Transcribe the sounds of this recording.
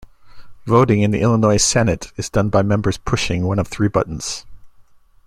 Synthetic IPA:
voʊɾɪ̃ŋɨ̃nðiʔɪlˠənɔɪsɛnɨɾɨz̥dʌ̃nbaɪmɛ̃mbə˞z̥pʰʊʃɪ̃ŋwʌ̃ñʌv̥θɹibʌ̰ʔn̩z̥

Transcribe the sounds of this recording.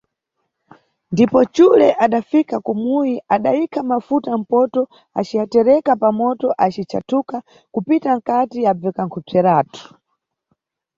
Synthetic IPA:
ndipɔt͡ʃulɛʔaɗafikakumujiʔaɗajikʰamafutam̩pɔtɔ | a̰t͡ʃijatɛɾɛkapamɔtɔʔat͡ʃit͡ʃa̰tuka | kupitaŋ̩katijab͡vɛkaŋkʰub͡ʐʰɛɾaːtʰu̥

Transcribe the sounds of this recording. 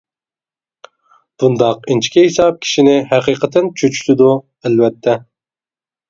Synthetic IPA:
b̥und̪ɑqint͡ʃʰi̥kʲihisɑp̚kʲʰi̥ʃinɪɦæqiqʰət̪ʰɛnt͡ʃʰøt͡ʃylɪd̪u | ɛlvɛt̪ʰːɛ

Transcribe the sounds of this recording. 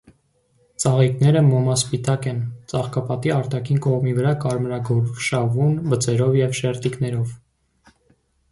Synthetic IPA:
t͡sɑʁɛknɛɾəmɔmɑspit̪ɑkɛnt͡sɑʁkɑpɑt̪iɑɾt̪ɑkʰinkɔʁmivəɾɑkɑɾmɾɑɡɔɾʃɑvunvət͡sɛɾɔvjɛvʃɛɾt̪iknɛɾɔv

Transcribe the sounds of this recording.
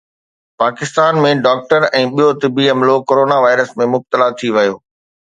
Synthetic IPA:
paːkɪst̪aːnmẽɖɔːk̚ʈəɾɛ̃ːɓijot̪ɪbʱiɐmlokoːɾoːnaʋaːɪɾəsmẽmʊb̚t̪əlat̪ʰiʋɐjoː

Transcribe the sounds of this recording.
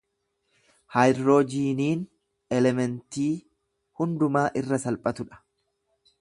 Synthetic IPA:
hɐjdɾoːd͡ʒiːniːn | ɛlɛmɛnt̪iː | hʊnd̪ʊmaːʔɪrːɐsɐlpʼɐt̪ʊᶑɐ̥

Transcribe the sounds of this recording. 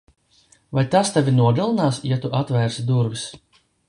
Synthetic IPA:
vajt̪ast̪avʲinuɔɡ̪alˠinaːsjat̪uʔat̪væːɾsd̪uɾɡɨs

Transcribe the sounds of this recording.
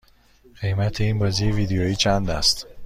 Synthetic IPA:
ɢ̥e̞jmæt̪ʰeiːnbɒːziːjeviːd̪ejoːjiːt͡ʃʰænd̪æst̪

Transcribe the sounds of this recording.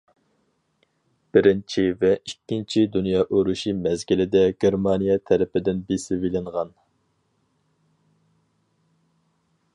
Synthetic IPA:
b̥ɪɾɪnt͡ʃʰivɛikʲʰːint͡ʃʰid̪unjɑːʔoɾuʃimɛzɡʲilɪd̪ɛɡʲeɾmɑnijɛt̪ʰæɾɪpɪd̪ɪnbisɪvɪlɪɴʁɑn

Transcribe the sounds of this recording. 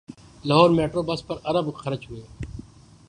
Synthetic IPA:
lɐɦɔːɾmeːʈɾoːbɐspɐɾɐɾəbxɐɾd͡ʒɦʊeː

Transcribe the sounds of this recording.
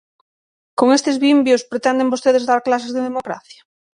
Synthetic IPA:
koŋest̪ezβimbjʊspɾet̪ɛnd̪embost̪eð̞ezðaɾklas̬ezðeðemokɾa̰θja

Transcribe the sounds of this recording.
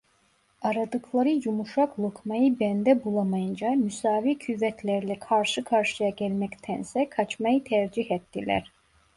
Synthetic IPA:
ɑɾɑd̪ɯkʰlˠɑɾɯjumuʃɑklˠokʰmɑjɯbænd̪ɛbulˠɑmɑjɯnd͡ʒɑmysaːvicʰyvɛt̪ʰlʲæɾlɛkʰɑɾʃɯkʰɑɾʃɯjɑɟælmɛct̪ʰænsɛkʰɑt͡ʃmɑjɯt̪ʰæɾd͡ʒihɛt̪ːilæ̰ɾ

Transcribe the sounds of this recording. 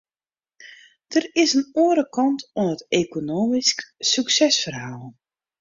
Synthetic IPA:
d̥ərɪsənoəɾəkɑntonətekonoːmisksyksɛsfərhaːlˠ

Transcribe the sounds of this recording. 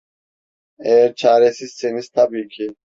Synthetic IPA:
ɛːɾt͡ʃʰaːɾɛsist͡senist̪ʰabikʰi

